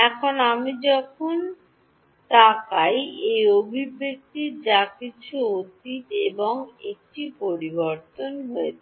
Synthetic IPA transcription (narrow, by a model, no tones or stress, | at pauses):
ɛkʰonamid͡ʑɔkʰon | t̪akajejobʱibːek̚t̪id͡ʑakit͡ɕʰuot̪it̪eboŋek̚ʈipoɾiboɾt̪onɦoet͡ɕʰe